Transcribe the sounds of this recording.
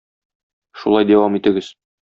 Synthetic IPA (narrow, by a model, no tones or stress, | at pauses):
ʃulˠɑjd̪æwɑmit̪ɘ̆ɡɘz̥